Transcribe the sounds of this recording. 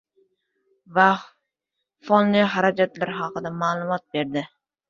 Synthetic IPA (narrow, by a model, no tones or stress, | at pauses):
va | fonlɨɦaɾad͡ʒat̪laɾɦɑqɨd̪amaːlˠʊmɒt̪̚beɾd̪ɪ